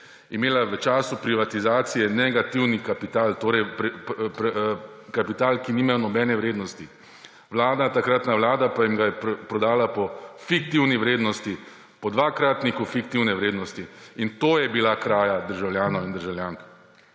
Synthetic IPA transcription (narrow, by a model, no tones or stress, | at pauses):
imeːlaʋət͡ʃaːsupɾiʋat̪izaːt̪sijɛnɛɡat̪iwnikapit̪aːlt̪oːɾɛjpɾp | kapit̪aːlkiniːmajɔnɔbɛːnɛʋɾeːd̪nɔst̪i | ʋlaːd̪nat̪akɾat̪naʋlaːd̪apajimɡajɛpɾɔd̪aːlapɔfik̚t̪iwniʋɾeːd̪nɔst̪i | pɔd̪ʋakɾaːt̪nikufikt̪iwnɛʋɾeːd̪nɔst̪iint̪oːjɛbilakɾaːjad̪əɾʒawljaːnɔwind̪əɾʒawljaːŋk